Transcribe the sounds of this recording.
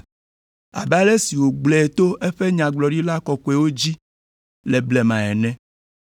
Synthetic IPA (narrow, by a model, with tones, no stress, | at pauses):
a̰˨bɛ˦a˦ɖe˦si˨wo˨ɡ͡blɛ˨e˨t̪o˦ʔe˦ɸe˦ɲã˨ɡ͡blɔ˨ɖi˦la˦kɔ˨kɔ˨˦e˨wo˦d͡ʑi˦ | le˨blɛ˨mã˨ɛ̰˨nɛ̃˦